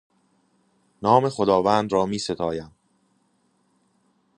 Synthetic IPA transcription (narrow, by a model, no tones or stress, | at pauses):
nɒːme̞xod̪ɒːvæːnd̪ɾɒːmiːse̞t̪ʰɒːjæm